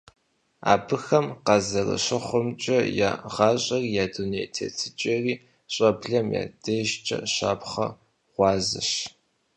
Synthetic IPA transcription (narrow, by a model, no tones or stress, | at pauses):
a̰ːbɨxɐmqɑzɐrɐ̰ɕɐχʷʊmt͡ʃʼɐja̰ːʁɑːɕʼɐrijaːdunejtʰḛːtʰɨt͡ʃʼɐriː | ɕʼɐbɮɐmja̰ːd̥ɐʒt͡ʃʼɐ̰ɕaːpχɐ̰ | ʁʷɑːzɨ̰ɕ